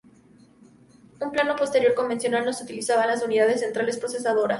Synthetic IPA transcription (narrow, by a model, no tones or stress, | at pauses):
umplano̞po̞st̪e̞ɾjo̞ɾko̞mbensjo̞nalno̞sut̪ilisaβalasuniðaðe̞sːent̪ɾale̞spɾo̞se̞s̬aðo̞ɾas